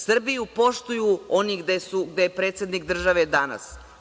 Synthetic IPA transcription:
sr̩bijupo̞ʃt̪ujuoniɡd̪esuɡd̪ejepɾe̞ːt̪sjed̪nikd̪r̩ʒaʋed̪ana̰s

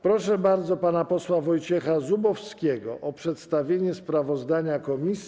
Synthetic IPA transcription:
pɾɔʂɛbaɾd̪zɔpanapɔswavɔjt͡ɕɛxazubɔfskʲɛɡɔ̰ʔɔpʂɛt̪st̪avʲjeɲɛspɾavɔzd̪aɲakɔmʲisʲ

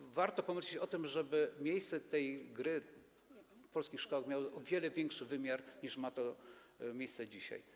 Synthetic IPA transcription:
vaɾt̪ɔpɔmɘɕlit͡ɕɔt̪ɘmʐɛbɘmʲjejst̪sɛt̪ɛjɡɾɘ | pɔlskʲixʂkɔwaxmʲjawɔʔɔvʲjɛlɛvʲjɛŋkʂɘvɘmʲjaɾɲiʂmat̪ɔ | mʲejst̪sɛd͡ʑiɕa̰j

